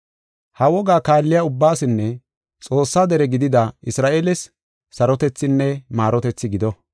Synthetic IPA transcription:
hɐwɔɡaːkaːlːɪjaʊbːaːsɪnːɛ | t͡sʼo̞ːsːaːd̪ɛɾɛɡɪd̪ɪd̪ɐɪsɾaːʔeːlɛsː | ɐɾɔt̪ɛt͡sːɪnːɛmaːɾɔt̪ɛt͡sːɪɡɪd̪ɔ

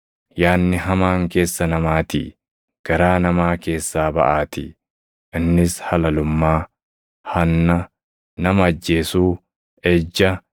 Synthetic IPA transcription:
jaːnːɪɦɐmaːŋke̞ːsːɐnɐmaːt̪ɪ̰ | ɡ̥ɐɾaːnɐmaːke̞ːsːaːbɐ̰ʔaːt̪ɪ | ʔɪnːɪshɐlɐlʊmːaː | hɐnːɐ | nɐmɐɐd͡ʒːe̞ːsuː | ɛd͡ʒːɐ

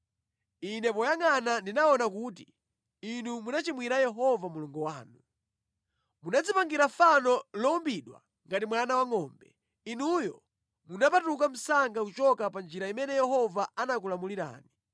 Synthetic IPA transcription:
inɛpɔjaŋanandinaɔnakuːti | inumunat͡ʃimwiɾajɛɦɔvamuluŋɡuwaːnu | munad͡zipaŋɡiɾafanɔlɔumbiɗwa̰ | ŋɡatimwanawaŋɔːmbɛ | inujɔ | munapatukam̩saŋɡakut͡ʃɔkapand͡ʒiɾaimɛnɛjɛhɔvaanak̬ulamuliɾa̰ːni

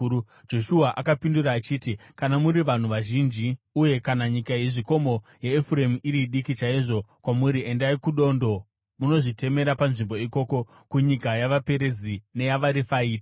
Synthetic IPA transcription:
d͡ʒo̞ʃuaʔakapinduraːt͡ʃiːtikanamuɾiʋan̤uʋaʒind͡ʒiuje̞kanaɲikaiʐiko̞mo̞jeːfuremuiɾiɗikit͡ʃaiʐo̞kwamuɾiʔe̞ndaikuɗo̞ndo̞ | muno̞ʐite̞me̞ɾapanʐimbo̞iko̞ːko̞ | kuɲikajaʋape̞ɾe̞zine̞jaʋaɾifaiːtḁ

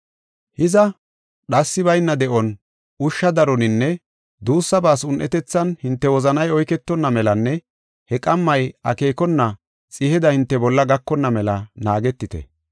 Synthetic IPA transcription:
hɪzɐ | ɗɐsːɪβɐjnːɐd̪ɛʔɔn | ʊʃːɐd̪ɐɾɔnɪnːɛ | d̪uːsːɐbaːsʊnʔɛt̪ɛt͡sːɐnhɪnt̪ːɛwɔzɐnɐjɔjkɛt̪ːɔnːɐmɛlɐnːɛ | hɛkʼɐmːɐjɐ̰keːkɔnːɐ | t͡sʼɪhɛd̪ɐhɪnt̪ːɛbɔlːɐɡɐkːɔnːɐmɛlɐnaːɡɛt̪ːɪt̪ɛ̰

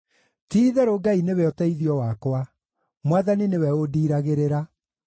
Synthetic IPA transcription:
tiːðɛɾoɡainewɛɔtɛiðiɔwakwa | mwaðaninewɛodiːɾaɣeɾeɾa

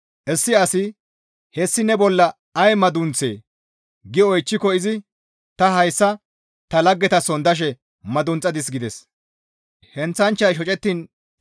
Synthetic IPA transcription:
ʔɛsːɪɐsɪ | hɛsːɪnɛbɔlːɐ | ɐjmɐd̪ʊnt͡sḛː | ɡɪɔjt͡ʃːɪkɔɪzɪ | t̪ɐɦɐjsːɐ | t̪ɐlɐɡːɛt̪ɐsɔnd̪ɐʃ̬ɛ | mɐd̪ʊnt͡sʼːɐd̪ɪs̬ɡɪd̪ɛs | hɛnt͡sːɐnt͡ʃːɐjʃɔt͡ʃʼɛt̪ːin

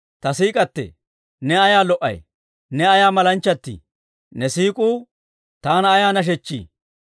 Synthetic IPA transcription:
t̪ɐsiːkʼɐt̪ːɛ̰ | nɛɐjaːlɔʔɐ̰j | nɛɐjaːmɐlɐnt͡ʃːɐt̪ːḭ | nɛsiːkʼuː | t̪aːnɐːjaːnɐʃ̬ɛt͡ʃːḭː

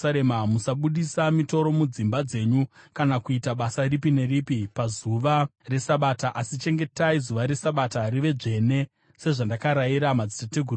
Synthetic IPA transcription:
aɾemamusaɓuɗisamito̞ɾo̞mud͡zimbad͡ze̞ɲukanakuitaɓasaripine̞ɾipipazuʋare̞saɓaːtaʔasit͡ʃe̞ŋɡe̞taizuʋaɾe̞saɓatariʋe̞d͡ʐe̞ne̞ | se̞ʐandakaɾaiɾamad͡zitateɡʱuru

